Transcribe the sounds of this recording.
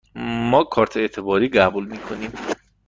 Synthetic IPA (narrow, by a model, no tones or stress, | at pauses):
mɒːkʰɒːɾt̪ʰeet̪ʰe̞bɒːɾiːɢæbulmiːkʰo̞niːm